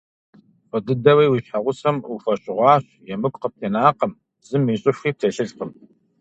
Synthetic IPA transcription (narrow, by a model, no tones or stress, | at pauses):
fʷɔdɨdɐwiːwiɕħaʁʷʊsɐmufɐɕʼɪʁʷɑːɕ | jɛmɨkʷʼqəp̚tʰeːnaːqəm | zɨmiːɕʼɪfxiːp̚tʰeɬɨɮqəm